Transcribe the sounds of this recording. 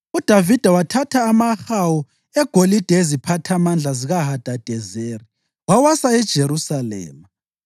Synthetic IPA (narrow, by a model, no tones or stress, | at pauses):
ud̥ʱavid̥ʱawatʰatʰaːmaxawu | ɛɡ̥ʱolid̥ʱaezipʰatʰamand͡ɮʱaziɣaɦad̥ʱad̥ʱɛzeːri | wawasaɛd̥ʒ̥ʱeɾusalɛ̰ːma